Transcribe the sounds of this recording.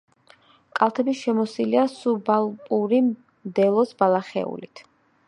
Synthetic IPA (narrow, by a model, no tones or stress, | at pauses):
kʼalˠt̪ʰɛbiʃɛmɔsiliasubalˠpʼuɾi | md̪ɛlˠɔsbalˠaχɛ̰ṵlit̪ʰ